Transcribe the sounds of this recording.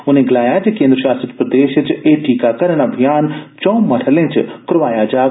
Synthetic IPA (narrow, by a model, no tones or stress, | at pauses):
ʊnẽɡɐlaːjaːt͡ʃekẽːnd̪ɾʃaːst̪ɾət͡ʃpɾɐd̪eːʃət͡ʃeːʈiːkakɐɾənɐbʱijaːnt͡ʃɔ̃ːmɐɽ̤əlẽt͡ʃʰkɾʋaːjad͡ʒaː